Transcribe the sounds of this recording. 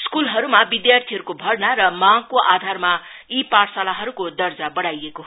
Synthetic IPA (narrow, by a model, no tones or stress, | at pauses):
skulɦʌɾumabid̪jart̪ʰiɦʌɾukobʱʌɽnaɾʌmãŋɡkoʔad̪ʱarmaipaɾsalaɦʌɾukod̪ʌrd͡zabʌɽajeko